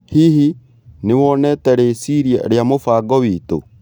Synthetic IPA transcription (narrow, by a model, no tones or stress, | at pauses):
hiɦi | newɔnɛtɛɾesiɾiɛ̰ɾeamofaːɡɔwito̰